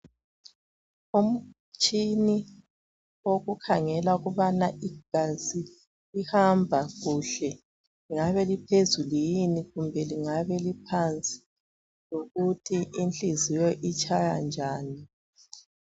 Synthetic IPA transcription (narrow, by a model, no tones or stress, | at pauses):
um̩ | t͡ʃʼini | oɣukʰaŋɛlauɣuβanaʔiɡ̥ʱazi | ihambʱaɣuɬɛ | liŋaβɛlipʰezulijiniɣumbʱɛliŋaβɛlipʰant͡sʼi̥ | loɣutʰiʔint͡ɬʼizijɔʔit͡ʃʼajand͡ʒʱaːni